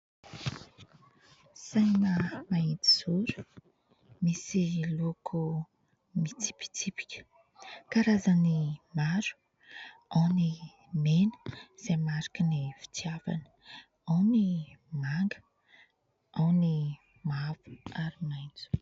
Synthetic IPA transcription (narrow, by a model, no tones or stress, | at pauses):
sajnəmainti̥zuɾu̥ | misilokʰu | mit͡si̥pi̥t͡sipi̥kʲə̥ | kaɾazanimaɾu̥ | awni | menə̥z̥emaɾakinifi̥t͡siava̰nə | awnimaŋɡə̥ | awni | mavu̥aɾimajnd͡zu̥